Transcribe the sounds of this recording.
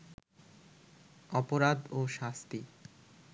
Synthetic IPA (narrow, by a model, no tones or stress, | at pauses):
ɔpoɾad̪oʃast̪i